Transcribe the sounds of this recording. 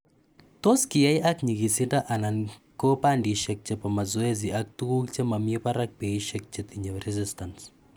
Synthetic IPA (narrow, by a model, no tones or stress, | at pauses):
t̪oskiajʔakɲiɡisindaʔanankopandiʃek̚t͡ʃepamazueziak̚t̪ukukt͡ʃemamiepaɾak̚peiʃek̚t͡ʃet̪iɲerɛzistans